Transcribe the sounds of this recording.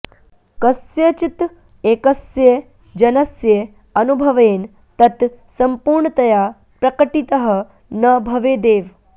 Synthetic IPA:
kɐsjɐt͡ʃit̪ | eːkɐsje | d͡ʒɐnɐsje | ɐnubʱɐʋeːn | t̪ɐt̪sɐmpuːɾɳət̪ɐjaː | pɾɐkəʈit̪ɐɦɐ̆ | nɐbʱɐʋeːd̪eːʋ

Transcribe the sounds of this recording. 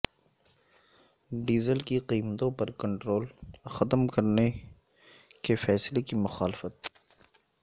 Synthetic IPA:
ɖiːzəlkiqiːmt̪õpɐɾkɐ̃ɳʈɾoːlxɐt̪mkɐɾne | kefɛːslekimʊxaːlɪfət̪̚

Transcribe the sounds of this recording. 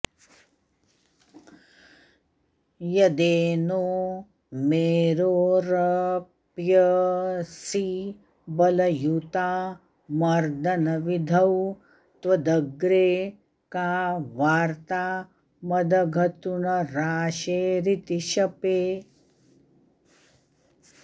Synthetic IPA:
jɐd̪eːno | meːɾoːɾɐ | pjɐ | si | bɐlɐjut̪aː | mɐɾd̪ɐnɐʋid̪ʱɐw | t̪ʋɐd̪ɐɡɾeː | kaːʋaːɾt̪aː | mɐd̪ɐɡʱɐt̪uɳɐɾaːʃeːɾit̪iʃɐpeː

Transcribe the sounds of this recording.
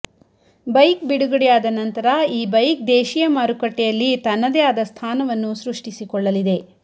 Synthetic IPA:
bɐjkbiɽuɡɐɽɛjaːd̪ɐnɐnt̪ɐɾɐiːbɐjk̚d̪eːʃijɐmaːɾukɐʈːɛjɐlːit̪ɐnːɐd̪ejaːd̪ɐst̪ʰaːnɐʋɐnːusɾuʂʈisikɔɭːɐlid̪e

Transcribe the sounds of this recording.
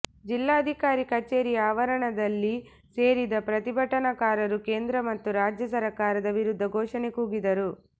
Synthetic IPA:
d͡ʒilːaːɐd̪ʱikaːɾikɐt͡ʃeːɾijaːʋɐɾɐɳɐd̪ɐlːi | se̞ːɾid̪ɐpɾɐt̪ibʱɐʈːɐnɐkaːɾɐɾuke̞ːnd̪ɾɐmɐt̪ːuɾaːd͡ʒjɐsɐɾɐkaːɾɐd̪ɐʋiɾud̪ʱːɐɡʱɔːʂɐne̞kuːɡid̪ɐɾu

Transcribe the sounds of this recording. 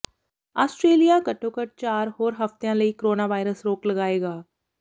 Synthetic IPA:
aːsʈɾeːlijakɐʈːõkəʈ̚t͡ʃaːɾɦoːɾɦɐft̪ejãlɐikoɾoːnaːʋaːɪɾəsɾoːklɐɡaːeːɡaː

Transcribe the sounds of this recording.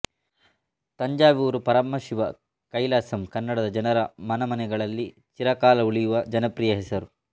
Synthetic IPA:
t̪ɐɲd͡ʒaːʋiuːɾupɐɾɐmːɐʃiʋɐ | kɐjlaːsɐmkɐnːɐɽɐd̪ɐd͡ʒɐnɐɾɐmɐnɐmɐnɛɡɐɭɐlːi | t͡ʃiɾɐkaːlɐuɭijuʋɐd͡ʒɐnɐpɾijɐɦɛsɐɾu

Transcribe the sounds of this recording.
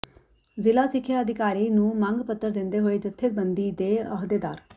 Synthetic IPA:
zɪlaːsɪkʰːjaːəd̪ʱɪkaːɾiːnũːmə̃ŋɡpət̪ːəɾd̪ɪ̃nd̪eːɦoːeːd͡ʒət̪ʰːɪt̪̚bənd̪iːd̪eːə̰ɦd̪eːd̪a̰ːɾ

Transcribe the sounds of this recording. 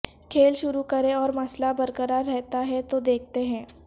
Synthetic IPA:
kʰeːlʃʊɾukɐɾẽɔːɾmɐslabɐɾkəɾaɾːɛɦt̪aɦɛt̪od̪eːk̚ʰt̪eɦɛ̃ː

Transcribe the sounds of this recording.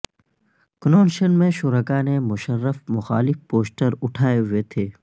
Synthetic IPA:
knoːnʃənmẽʃʊɾəkaːnemʊʃəɾːəfmʊxaːlɪfpoːsʈəɾʊʈʰaːeɦʊet̪ʰeː

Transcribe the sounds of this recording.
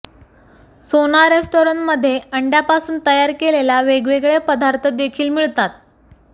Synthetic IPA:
sonaɾesʈoɾəɳʈməd̪ʱːjeəɳɖjapasuːnt̪əjaɾkelelaʋeɡʋeɡɭepəd̪aɾt̪ʰəd̪ekʰiːlmiɭt̪at̪̚

